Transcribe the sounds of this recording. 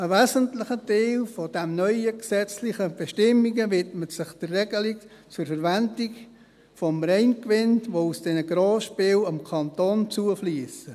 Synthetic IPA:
əvɛːzəntlɪχəteɪlfod̥ɛmnœʏəksɛt͡slɪχəb̥ɛʃtɪmːiɡəvɪtmətsɪχd̥ərːɛɡəlik | t͡sʊɾfərvændik | fɔmɾɛɪnkʋɪnʋousd̥ɛnəɡɾoːʃpɪːlɑmkʰɑntont͡suəfliːəsə

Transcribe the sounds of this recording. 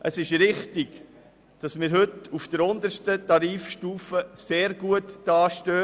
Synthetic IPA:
ʔəsɪʃɾɪχtɪɡ̥ | d̥ɑsmɪːɾɦɵtufd̥əɾʊnd̪əɾʃtətɑɾiːfʃtuːfəseːɾɡuətd̥ɑːʃtøː

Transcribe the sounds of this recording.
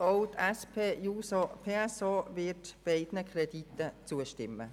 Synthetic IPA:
oʊtɛspʰeːjuːsɔpʰeːɛsɔːvɪtb̥eɪd̥nəkʰrɛditːət͡suəʃtɪmːə̰

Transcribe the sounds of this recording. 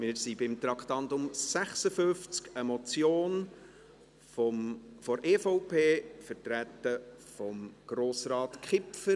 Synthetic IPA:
mɪːɾsibɪmt̪ɾɑkχt̪ɑntʊmsæχsəfʏft͡skəmɔt͡sjoːn | fɔɾeːfoʊpʰeːfəɾtɾæt̪əfɔmɡ̥ɾoːsɾɑːtkχɪpfə

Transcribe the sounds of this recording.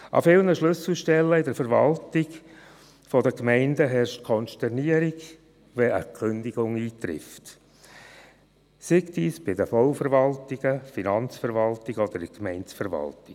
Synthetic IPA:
ʔɑ̰fɪlnəʃlʏsl̩ʃtɛlːəɪdəɾfəɾvɑ̰ltɪɡ | fɔdəkmɛɪndəɦɛrʃtkʰɔnʃtɛrniəɾɪɡ | ʋɛə̰kʰʏnd̪iɡʊŋiːt̪ɾɪ̰ft | sɪktiːsb̥ɪdəfɔʊfəɾvɑltɪɡəfinɑnt͡sfəɾvɑltɪɡɔd̪əɾɪkmɛɪnt͡sfəɾʋɑ̰ltɪ

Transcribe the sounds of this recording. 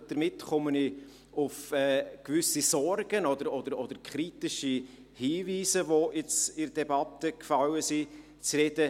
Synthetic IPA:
d̥əɾmɪtχɔməni | ʊfɛːkvʏsisɔɾɡ̥ənɔd̪əɾɔd̥̪əɾɔd̪̥əɾkχɾitɪʃi | hiːviːzəʋoɪt͡sɪɾd̥ɛbɑt̪əkfɑwəsi | t͡srɛdə

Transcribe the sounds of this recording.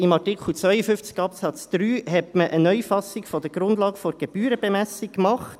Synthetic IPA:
ɪmɑʁtikχl̩t͡svœʏəfʏft͡skɑpsɑt͡sd̪̥ɾyːhɛtməʔənœjfɑsikfɔd̪əɡɾʊnd̪lɑːɡfɔɾɡ̥eb̥yːɾəbɛmæsikːmɑχt

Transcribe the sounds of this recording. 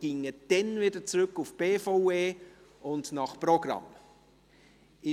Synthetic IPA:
ɡ̥ɪŋəd̥ɛnvɪdət͡sɾʏkːufb̥eːfoʊeː | ʊndnɑχprɔɡ̥ɾɑ̰m | ɪ

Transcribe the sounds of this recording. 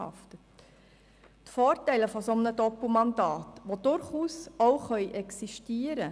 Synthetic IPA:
ɑ̰ftət | tfɔːɾtæɪləfɔsɔmənədɔpl̩mɑndɑːtʋod̥ʊɾχuːsowχœʏʔɛksiʃtiəɾə

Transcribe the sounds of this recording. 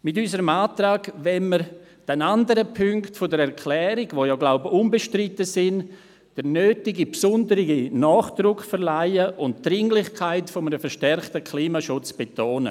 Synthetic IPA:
mɪtysəɾəmaːtɾaːɡvɛnməɾ | d̥ɛnandəɾəpʰʏŋktfodəɾɛɾkʰlɛːɾɪɡʋoːjɔːɡlaʊbəʊnbeʃtɾɪtəsɪn | d̥əɾnøːtɪɡipsʊndəɾɪɡinɔːχd̥ɾʊkfɛɾlaɪəʔʊntd̥ɾɪŋlɪχkʰaɪtfɔmənəfɛɾʃtɛrχtəkʰliːmaʃʊt͡sb̥etʰoːnə̰

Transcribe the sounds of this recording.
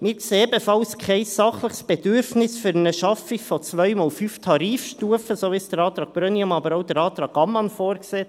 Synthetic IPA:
mɪːɾkseːɛbəfɑlskʰɛɪsːɑχləχsb̥ɛd̥ʏɾfnɪsfyɾənəʃɑfifɔt͡sʋœʏmɑːlfyːftʰɑɾiːfʃtuəfəsovɪsd̥əɾɑːt̪ɾɑːk̚b̥ɾœniʊmɑbəɾoʊdəɾɑːt̪ɾɑːkɑmɑnfoːɾkseː

